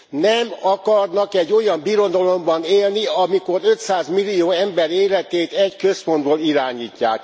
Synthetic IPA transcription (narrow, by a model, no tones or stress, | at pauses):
nɛmɒkɒrnɒkɛɟːo̞jɒmbiɾo̞d̪ɒlo̞mbɒneːlniɒmiko̞ɾø̞t̪saːzmilːijoːɛmbɛɾeːlɛt̪eːt̪ɛɟkø̞spo̞nd̪boːliɾaːɲiːcːa̰ːk